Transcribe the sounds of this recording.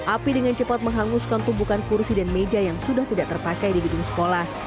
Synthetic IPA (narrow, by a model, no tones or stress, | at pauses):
ʔapidəŋant͡ʃəpat̪̚məŋɦaŋuskant̪umbukankursidanmed͡ʒajaŋsudaht̪idaʔt̪ərpakajdibiduŋsə̥kolah